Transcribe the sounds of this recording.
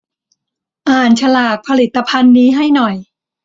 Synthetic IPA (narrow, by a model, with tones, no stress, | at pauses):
ʔaː˨˩nt͡ɕʰa˧laː˨˩k̚pʰa˧li˨˩t̪ːa˧pʰa˧nːiː˦˥ɦa˥˩jnɔ˨˩j